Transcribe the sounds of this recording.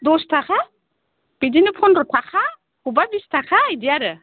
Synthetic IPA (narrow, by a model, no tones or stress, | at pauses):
d̪ɔst̪ʰakʰa | b̥idinipʰɔnɾɔt̪ʰakʰa | hubabist̪ʰakʰaːjdijaɾɯ